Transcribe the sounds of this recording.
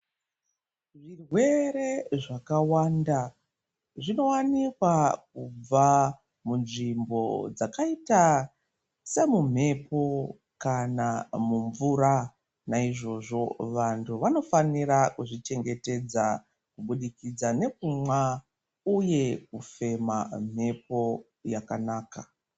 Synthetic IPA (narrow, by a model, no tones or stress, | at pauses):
ʐirwe̞ɾe̞ʐakawanda | ʐino̞wanikwak̚ub͡va | munʐimbo̞̰d͡zakaita | se̞mum̤e̞po̞ | kanamuɱvuɾa | naiʐo̞ʐo̞ʋantʰuʋano̞faniɾakuʐit͡ʃe̞ŋɡe̞te̞d͡za | kuɓuɗikid͡zane̞kumwa | uje̞kufe̞ma̰m̤e̞po̞ | jakanaːka